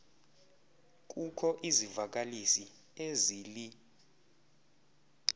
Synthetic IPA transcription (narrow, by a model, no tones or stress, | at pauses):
k̬ʼukʰɔʔizivak̬ʼalisi | eziːli